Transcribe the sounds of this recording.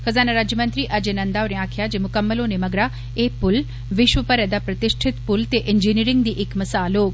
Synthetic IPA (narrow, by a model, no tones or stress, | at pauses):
xɐzaːnaɾaːd͡ʒjəmɐ̃nt̪ɾiʔɐd͡ʒenɐ̃nd̪aːoɾẽaːkʰjad͡ʒemʊkəmːəlõnemɐɡɾa | epʊl | ʋɪʃʋəpəɾɛd̪apɾɐt̪ɪʃʈʰɪt̪pʊlt̪eʔɪnd͡ʒiːniːɾɪŋɡ̚d̪iːʔɪkmɐsaːloː